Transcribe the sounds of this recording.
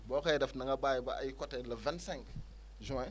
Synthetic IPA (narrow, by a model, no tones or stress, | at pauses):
bokajdafnaŋɡabajibaa̰jikoteləvansɛ̃ŋk | ʒua